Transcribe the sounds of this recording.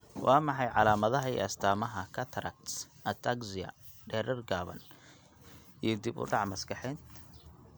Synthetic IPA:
wʔɑːmɑħɑjʕɑlaːmɐðɐɦɐḭɐst̪ʰaːmɐɦɐkʰɐt̪ʰɾɐ̰k̚t̪sʔɐt̪ʰaksɪjɐ̰ɖɛːɾɛrɡaːβɐ̰n | ijɞd̪ibʊ̰ɖɑʕmɐskɑħɛːnt̪

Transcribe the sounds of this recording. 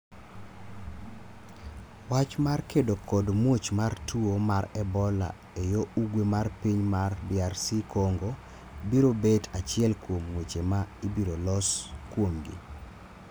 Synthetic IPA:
wat͡ʃmarkedokɔdmwot͡ʃmartuomaɾɛbɔla̰ | ejoʔuɡwemarpiɲmarbɪarsikʰoŋɡo | biɾobetat͡ʃɪɛlkwomŋwet͡ʃemaibiɾolɔskwomɡḭ

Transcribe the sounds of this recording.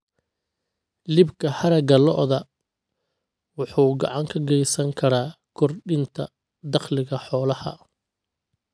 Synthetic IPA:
lɪbkʰɐhɐɾɐɡɐlɔ̰ʔðɐ | wʊħuːɡɑʕɑŋkʰɐɡɛjsɐŋkʰɐɾaː | kʰɔrɖɪnt̪ʰɐ̰ | d̪ɑχlɪɣɐħɔːlɐhɐ̰

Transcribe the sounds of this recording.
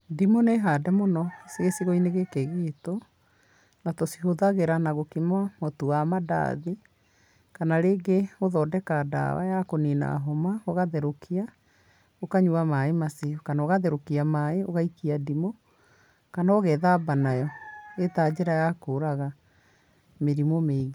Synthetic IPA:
dimoneɦadɛmonɔseɣesiɣɔineɣekeɣeto | natosihoðaɣeɾanaɣokimamotuamada̰ði | kanaɾeːɡeoðɔːdɛkada̰wa̰jakonina̰ɦɔmaoɣaðɛɾokʰia | okaɲuamaemaseɔkanaoɣaðɛɾokiamaeoɣaikiadimo | kanaoɣɛðabanajɔetad͡ʑeɾajakoːɾaɣa | meɾimomeiɣe

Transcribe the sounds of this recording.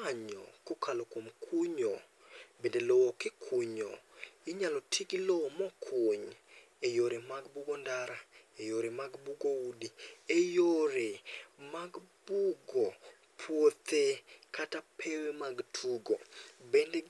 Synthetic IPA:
aɲɔ̰kokʰalokwomkʰuɲo | bendelɔːkɪkʰuɲo̰ɪɲalɔtʰiɡilɔmɔkʰoɲ | ejoɾemaɡbuɡɔndaɾaejoɾemaɡbuɡoudiejoɾemaɡb̥uɡɔ | pʰwot̪ekatapʰewemaɡtʰuɡobende

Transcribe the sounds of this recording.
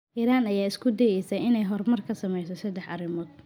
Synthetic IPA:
ʔiːɾaːnɐjaːɪskʰʊd̪ɛjɛjsɐɪnɛjɦɔrmɐrkʰɐsɐmɛjsɔsɐd̪ɛħʔɐrɪmɔːd̪̚

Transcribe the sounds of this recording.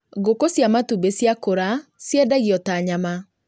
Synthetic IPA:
ɣokosjamatubesjakoɾasjɛdaɣiɔtaɲama

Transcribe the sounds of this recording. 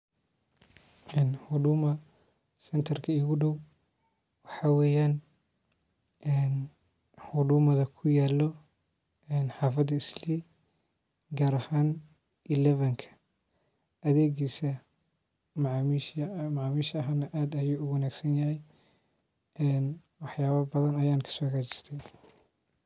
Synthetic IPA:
ʔɛːnhʊdʊːmɐ | sɛnt̪ʰɐrkʰɐiɣʊɖɔw | wɑħɑwɛːjaːn | ʔɛːn | hʊɖʊːmɐðɐkʰʊjaːlɔ | ɛːnħɑːfɐd̪ɐɪsli | ɡaːɾɐhaːn | ʔɪlɛβɐŋkʰɐ̥ | ʔɐðɛːɣiːsɐ | mɐʕːmiʃmɐʕaːmiːʃɐɦaːnɐʔaːd̪ɐjuːʊwɐnaːɡsɐnjɐɦɛj | ɛːn | wɑħjaːβɐbɐðɐnɐjaːnkʰɐ̥sɔːkaːt͡ʃɪ̥st̪ʰɛj

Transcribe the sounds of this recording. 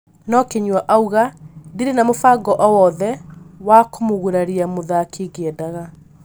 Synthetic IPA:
nɔkeɲwaʔauɣadiɾenamofaɡɔʔɔwɔðɛwakomoɣuɾaɾiamoðakʰeɡeɛdaɣa

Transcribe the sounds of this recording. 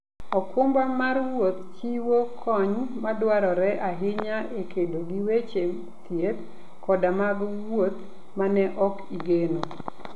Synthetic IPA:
ɔkʊmbamarwot̪̚t͡ʃiwokʰɔɲmadwaɾɔɾɛʔaɦɪɲaʔekʰedoɡiwet͡ʃe | t̪ʰjet̪ | kʰɔdamaɡwot̪̚ | manɛʔɔkiɡeno

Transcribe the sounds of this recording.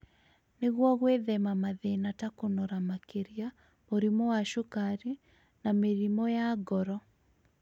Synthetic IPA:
neɣwɔɣweðɛmamaðenatakonoɾamakeɾia | moɾimɔwaʃokaɾi | nameɾimɔjaɡɔɾɔ

